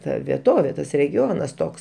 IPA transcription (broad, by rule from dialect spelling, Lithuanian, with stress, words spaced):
ˈtɐ ʋʲiɛˈtoːʋʲeː ˈtɐs rʲɛɡʲɪˈoːnɐs ˈtoːks